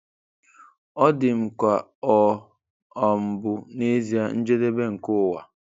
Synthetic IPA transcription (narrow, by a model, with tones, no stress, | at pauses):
ɔ˦dɪ˨m̩˨kʷa˨ɔ˨ | ɔ˨m̩˨bʊ˨ne˦zi˦a˦n̩˦d͡ʒe˦de˦be˦ŋ̩˨kʊ˦˨wa̰˨